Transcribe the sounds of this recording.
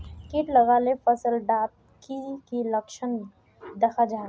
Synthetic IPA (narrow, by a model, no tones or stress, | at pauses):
kiʈləɡalepʰəsəlɖaːp̚ | kikiləkʃən | d̪ɐkʰad͡ʒa